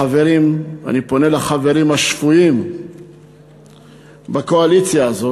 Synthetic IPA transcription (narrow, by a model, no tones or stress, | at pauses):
ave̞ʁima̰nipo̞ne̞laχave̞ʁimhaʃfuim | bako̞alit͡sjaːzo